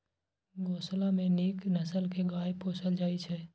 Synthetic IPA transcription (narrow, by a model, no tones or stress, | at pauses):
ɡoːslamẽniːknəsəlkʰeɡaːjpoːsəld͡ʒaːit͡ʃʰɛː